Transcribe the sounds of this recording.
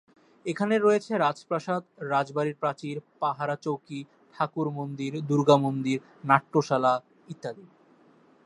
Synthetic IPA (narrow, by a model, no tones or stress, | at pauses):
ekʰaneɾojet͡ɕʰeɾad͡ʑpɾaʃad̪ɾad͡ʑbaɾiɾpɾat͡ɕiɾpaɦaɾat͡ɕowki | ʈʰakuɾmond̪iɾd̪uɾɡamond̪iɾ | naʈːoʃala | it̪ːad̪i